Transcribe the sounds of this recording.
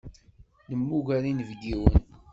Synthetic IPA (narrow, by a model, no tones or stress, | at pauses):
nəmːuʝælinəvɡiwən